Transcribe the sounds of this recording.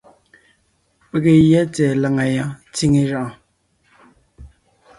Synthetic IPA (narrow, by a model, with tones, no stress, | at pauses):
pe˨ɣe˨jɛ˦t͡sɛ˨la˨ŋa˨ja˦t͡si˦ŋe˦ʒa˨ʔ